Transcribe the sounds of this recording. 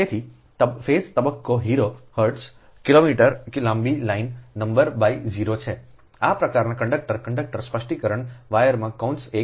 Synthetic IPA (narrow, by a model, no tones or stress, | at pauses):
et̪ʰi | fest̪əbəkːoɦiɾohəɾɖs | kilomiʈəɾklãmbilainːəmbəɾbaid͡ʒiɾot͡ʃʰe | apɾəkaɾnakə̃ɳɖək̚ʈəɾkəɳɖək̚ʈəɾspəʃʈikəɾəɳʋajəɾmãkaunʈse